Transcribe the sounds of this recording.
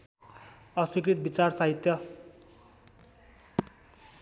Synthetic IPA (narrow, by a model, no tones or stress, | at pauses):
ʌswikrit̪̚bit͡sarsaɦit̪jʌ